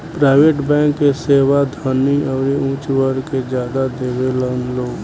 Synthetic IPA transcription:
pɾaːɪʋeːʈbɛ̃ːŋkːeseːwad̪ʱəniɔːɾeũːt͡ʃwəɾked͡ʒjaːd̪ad̪eːʋelənloːɡ

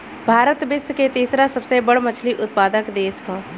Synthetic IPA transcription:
bʱaːɾət̪bɪsket̪iːsɾasəbsebəɽmət͡ʃʰliʔʊt̪̚paːd̪əkd̪eːskoː

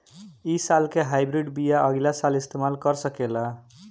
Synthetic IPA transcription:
isalkeɦajbɾiɖbijaʔʌɡilasalist̪emalkʌɾsʌkela

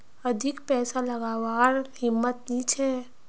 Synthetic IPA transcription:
ɐd̪ʱɪkpɛːsalɐɡaːwaːɾhɪmːət̪nit͡ʃʰɛː

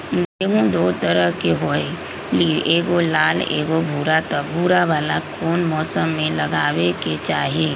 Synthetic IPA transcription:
mɛɦũd̪oːt̪əɾəɦkeɦoe | liʔeːɡolaːlḛːɡobʱuːɾat̪əbʱuːɾaʋaːlakʰoːnmɔːsəmːẽlɐɡaːweket͡ʃaːɦieː

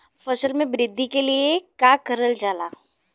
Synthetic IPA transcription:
fɐsəlmẽbɾɪd̪ʱːikeliekaːkɐɾəld͡ʒaːla̰ː

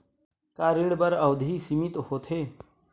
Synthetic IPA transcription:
kaːɾiɽbɐɾɐwd̪ʱiːsimit̪hoːt̪ʰeː

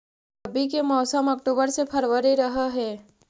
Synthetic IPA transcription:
ɐbik̬emɔːsəmɐk̚ʈoːbəɾsepʰɐɾwəɾiɾɐɦaɦɛː

